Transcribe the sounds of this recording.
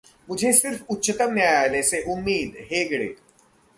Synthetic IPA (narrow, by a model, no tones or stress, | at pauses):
mʊd͡ʒʱesɪɾfʊtːʃət̪əmnaːjaːleːseʔʊmːiːd̪ɦeːɡɽḛː